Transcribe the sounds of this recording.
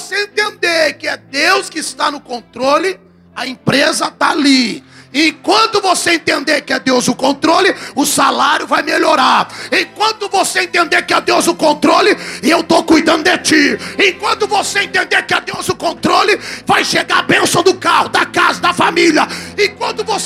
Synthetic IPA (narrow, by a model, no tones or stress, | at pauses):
voseẽt̪ẽnd̪eɾkɪɛd̪ewskɪːst̪anʊkõnt̪ɾolɪ | ɐẽpɾezɐt̪aaliẽkwɐ̃nt̪ʊvoseẽnt̪ẽnd̪eɾkɪɛd̪ewzʊkõt̪ɾolɪʊsalaɾjʊvajmeʎoɾaɾẽkwɐ̃nt̪ʊvoseẽnt̪ẽnd̪eɾkɪɛd̪ewzʊkõnt̪ɾolɪɪewt̪okujd̪ɐ̃nd̪ʊd̪et͡ʃiẽkwɐ̃nt̪ʊvoseẽnt̪ẽnd̪eɾkɪɛd̪ewzʊkõnt̪ɾolɪvajʃeɡaabẽsõd̪ʊkahʊd̪ɐkazɐd̪ɐfamiljɐɪ̃kwɐ̃nt̪ʊvos